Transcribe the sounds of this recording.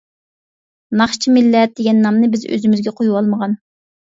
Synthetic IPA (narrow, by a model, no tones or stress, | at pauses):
nɑχt͡ʃʰimɪlːɛt̪̚d̪eɡʲɛnːɑmnɨbɪzø̰zymɪzɡʲɛqʰojuwɑlˠməʁɑn